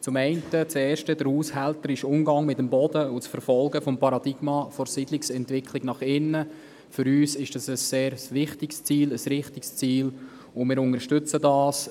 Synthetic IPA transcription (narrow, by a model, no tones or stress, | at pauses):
t͡sʊmɛɪntət͡sɛːɾʃtəd̥əɾhuːshæltəɾɪʃʊmɡɑŋmɪtəmbɔd̥əʊt͡sfəɾfɔlɡəfɔmpɑɾɑd̪iɡ̥mɑfɔɾsidlɪksɛntvɪkʰlɪɡnɑχɪnːə | fʏɾyːsɪʃd̥ɑsəsːeːɾsʋɪχtɪkst͡siːləsɾɪχtikst͡siːl | ʊmɪːɾʊŋəʃtʏt͡sədɑːs